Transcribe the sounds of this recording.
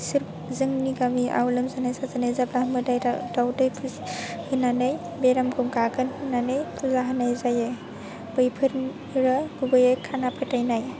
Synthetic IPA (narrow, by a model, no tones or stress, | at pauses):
sɯɾ | zɯŋniɡamiʔa̰wlɯmzanajsazanajzaplaɦmɯdajɾadawdɯjpʰɯshɯnanɯj | beɾamɡumɡaɡɯnhɯnanɯjpʰuzaɦanajzajɯ | bɯjpʰɯɾ | ɾɯɡubɯjekʰanapʰɯtajnaj